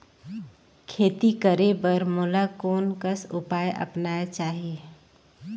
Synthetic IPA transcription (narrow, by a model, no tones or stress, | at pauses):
kʰeːt̪ikəɾebəɾmoːlakoːnkəsʊpaːjʔə̰pnaːet͡ʃaːɦieː